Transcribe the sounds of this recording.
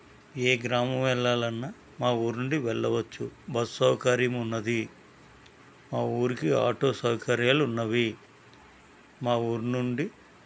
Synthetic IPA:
eːɡɾaːmɐmʋɛɭːaːlɐnːa | maːuːɾunuɳɖiʋɛɭːɐʋɐt͡ʃːubɐsːɐwkaːɾijɐmunːɐd̪i | maːuːɾikia̰ːʈo̞ːsɐwkɐɾjaːlunːɐʋi | maːuːɾunuɳɖi

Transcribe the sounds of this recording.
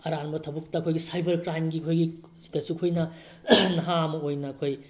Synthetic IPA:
ɐɾanbɐtʰɐbuk̚tɐɐkʰojɡisajbɐɾkɾajmɡikʰojɡi | zi̥tɐsukʰojnɐ | nɐɦamɐojnɐːkʰoj

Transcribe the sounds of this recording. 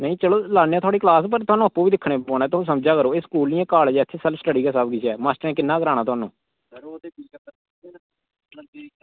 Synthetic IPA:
nəĩːt͡ʃəloːlaːnːaːt̪ʰwaːɽiːklaːspəɾt̪ʊwaːnũːəpːũːʋiːd̪ɪkʰːɽẽːpoːnɛ̃ːt̪ʊõs̬əmd͡ʒaːkəɾoːeskuːlniːãːkaːld͡ʒɛːt̪ʰːeːsəlsʈəɽiːɡɛːsaːb̚ɡiːt͡ʃʰɛːmaːsʈəɾɛ̃ːkɪnːaːkəɾaːnãːt̪ʊaːnṵ̃ː

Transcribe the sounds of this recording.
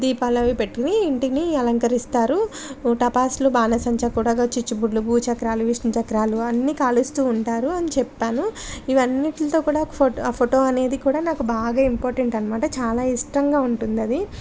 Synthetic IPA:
d̪iːpaːlɐʋipeʈːiniːɳʈiniɐlɐŋkɐɾist̪aːɾuʈɐpaːslubaːnɐsɐɲt͡ʃɐkuːɽɐːɡɐt͡ʃit͡ʃːubuɖlubuːt͡ʃɐkɾaːluʋiʂnɐt͡ʃɐkɾaːluɐnːiːkaːlust̪uːɳʈaːɾuɐnit͡ʃɛpːaːnuiʋɐnːiʈlɐt̪oːkuːɽaːkupʰopʰoʈoːɐne̞ːd̪ikuːɽaːnaːkubaːɡaːimpoːɾʈeɳʈɐnɐmaːʈɐt͡ʃaːlaːisʈɾɐŋɡaːuɳʈund̪ɐd̪i

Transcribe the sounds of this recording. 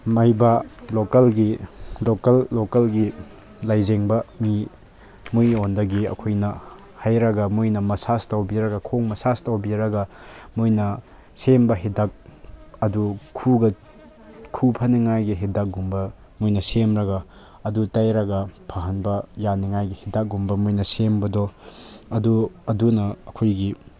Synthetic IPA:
mɐjbɐlokɐlɡilokɐlːokɐlɡi | lajzeŋbɐmi | mujondɐɡiɐ̰kʰojnɐ | hajɾɐɡɐmujnɐmɐsastawbiɾɐɡɐkʰoŋmɐsastawbiɾɐɡɐmojnɐ | sembɐɦidak̚ɐdukʰuɡɐ | kʰupʰɐniŋajɡiɦidak̚ɡumbɐ | mojnɐsemɾɐɡɐː | dutajɾɐɡɐpʰɐɦɐnbɐjaniŋajɡihidak̚ɡumbɐmojnɐsembɐdɔɐduɐdunɐɐkʰojɡi

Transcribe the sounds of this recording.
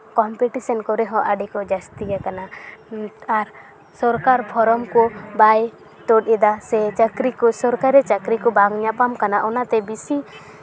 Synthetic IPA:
kɔmpɛʈisɔnkɔɾɛɦɔʔaɖɛkɔd͡ʒast̪ijakana | aɾ | sɔɾkaɾpʰɔɾɔmkɔbaj | t̪ɔʈɛd̪asɛt͡ʃakɾikɔsɔɾkaɾɛt͡ʃakɾikɔbaŋɲapamkanaʔɔnat̪ɛbisi

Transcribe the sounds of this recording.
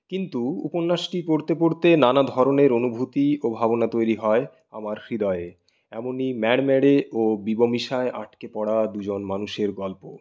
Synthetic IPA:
kint̪uṵponːaʃʈipoɽt̪epoɽt̪enanad̪ʱɔɾoneɾonubʱut̪iobʱabonat̪ojɾiɦɔe | a̰maɾfɾid̪ɔee | ɛmonimɛɽmɛɽeobibomiʃaeʔaʈkepɔɽad̪ud͡ʑonmanuʃeɾɡɔlpo

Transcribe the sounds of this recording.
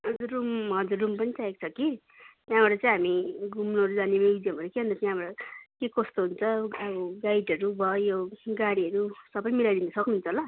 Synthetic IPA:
ɦʌd͡zurumɦʌd͡zurːumpʌnit͡saek̚t͡sʰʌki | t̪jãbaʈʌt͡saĩɦamiɡumnoʌɾud͡zanemebid̪jʌmʌɾukeʌ̃nt̪ʌtjãbaʈʌkekʌst̪oɦunt͡sʰʌʌɡajɖʌɾubʱʌjoɡaɽiʌɾusʌbʌjmilajd̪inʌsʌknuɦunt͡sʰʌɦola

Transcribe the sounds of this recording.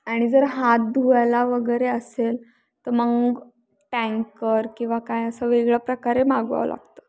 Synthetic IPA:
aɽ̃id͡zəɾɦat̪̚d̪ʱuajlaʋəɡəjɾeəsel | t̪əɾməɡ | ʈæ̃ŋkəɾkĩw̃ʋakajəsəʋeɡɭəpɾəkaɾemaɡʋa̰ʋə̰la̰ɡt̪ə

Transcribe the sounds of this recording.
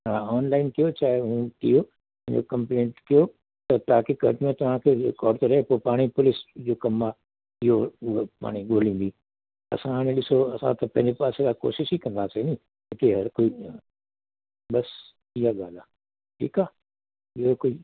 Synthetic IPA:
ãɔːnlaːɪnk̪ijot͡ɕaːeɦũk̪ḭo | ɐ̃ɦɪ̃ɲd͡ʑo̰kɐ̃mplẽːɳʈkijo | t̪ɐt̪ʊaaːkikɐ̰ʈmẽt̪ɐʋ̤ãkʰekɔːɾt̪eɾɐɦepoːpaːɽ̃ipʊlɪsd͡ʑoːkɐma | ɪɦoʊɦepa̰ːɽ̃iɠoːlĩːn̆d̪i | ɐ̰sãɦaːɽ̃ẽɗɪsoɐsã̰t̪ɐpɐ̃ɦɪ̃ɲd͡ʑepaːsekako̰ːʃɪʃikɐ̃nd̪aːsenĩ | ɪt̪eɦɐɾkoːi | ɓɐs | iɦaɠaːlaː | ʈʰḭːkaː | ɪɦokoːi

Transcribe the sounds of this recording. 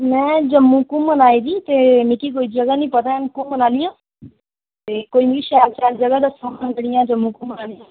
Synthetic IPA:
mɛ̃ːd͡ʒəmːũːkũːmənaːiːd̪iːt̪eːmikiːk̬oːid͡ʒəɡanĩːpət̪ankũmənaːlijãː | t̪eːkoːiːmiːʃɛːlt͡ʃaːld͡ʒəɡaːd̪əsãːmənd̪əɽɪjãːd͡ʒəmːũːkũmənaːlijãː

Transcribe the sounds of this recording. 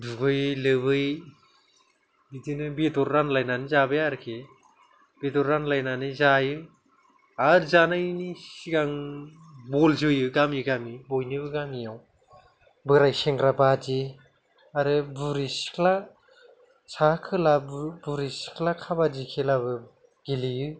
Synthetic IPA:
duɡɯjlɯbɯj | bitinɯbedɔɾːanlajnanɯzabɯjaɾkʰe | b̥edɔɾːanlajnanɯzajɯ | aɾzanajnisiɡaŋ | bɔlzɯjɯɡamiɡamibɔjnibɯɡamijaw | bɯɾajseŋɡɾabad͡ʒi | aɾɯbuɾisi̥kʰla | sakʰɯlabbuɾisi̥kʰlakʰabadikʰelaβɯ | ɡilijɯ

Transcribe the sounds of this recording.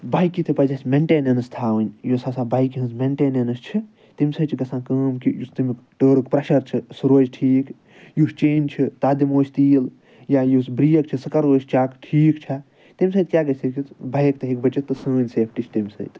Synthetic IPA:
baːjkit̪ʰipɐd͡ʒasʲmeɳʈeːnɐnɐst̪ʰaːʋɨnʲjosɐsaːbaːjkiɦɐnsmeɳʈeːnɐnɐst͡ʃʰi | t̪imʲsɐt͡ʃʰiɡɐsãːkɐːmkijust̪imikʈəːɾɨkpɾɐʃɐɾt͡ʃʰisɾoːd͡ʒʈʰiːk | just͡ʃeːnʲt͡ʃʰit̪aːd̪imoːt͡ʃʰt̪iːl | jajusbɾijɐkt͡ʃʰisɐkɐɾoːt͡ʃʲt͡ʃaːkʈʰiːkt͡ʃʰa | t̪imʲsɐ̃ːt̪kʲjaːɡɐsikʲibɐjk̚t̪ɐɦikbɐt͡ʃit̪ːɨsəːnʲseːp̚ʰʈit͡ʃʰt̪imʲsɐ̰ːt̪

